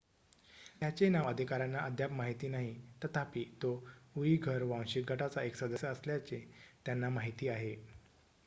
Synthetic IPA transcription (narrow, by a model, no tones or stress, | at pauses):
t̪jat͡senaʋəd̪ʱikaɾanːaʔəd̪ʱjapmaɦit̪iːnaɦit̪ət̪ʰapiːt̪ouiɡʱəɾʋãw̃ɕik̚ɡʱəʈat͡saeksəd̪əsjəəsljat͡set̪janːamaɦit̪iːaɦe